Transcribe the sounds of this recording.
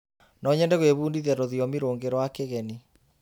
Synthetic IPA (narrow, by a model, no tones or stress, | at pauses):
nɔɲɛndɛɣweβuːndiðɛɾoðiɔmiɾoːŋɡeɾwakeɣɛni